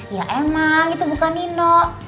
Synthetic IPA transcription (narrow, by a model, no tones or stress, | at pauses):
ija̰ʔemaŋɡit̪ubukaninoʔ